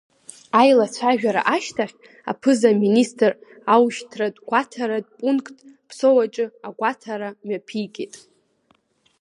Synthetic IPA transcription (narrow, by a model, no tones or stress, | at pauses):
ajlat͡sʷʰaʒᶣaɾa̰ʔaʃtʰaχʲ | a̰pʰɨzaministʼr | awʃtʰradɡʷatʰaɾad̚pʼuŋkʰʼtʼpʰsowat͡ʃʼɨaɡʷatʰaɾamapʰijɡʲetʼ